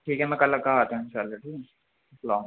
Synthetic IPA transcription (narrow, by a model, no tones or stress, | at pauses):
ʈʰiːkɦɛmɛ̃kɐlakaːat̪õɪnʃaːlːaʈʰiː | lɔːŋ